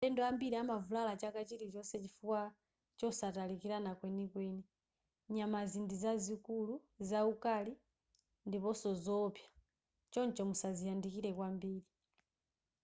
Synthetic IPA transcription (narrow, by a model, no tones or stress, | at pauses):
tɛndɔambiliamavulalat͡ʃakat͡ʃiɾit͡ʃɔsɛt͡ʃifuwa | t͡ʃɔsatalikiɾanakwɛnikwɛni | ɲamazindizazikuluzaukali | ndipɔsɔzɔpja | t͡ʃɔnt͡ʃɔmusaziandikilɛkwambiːli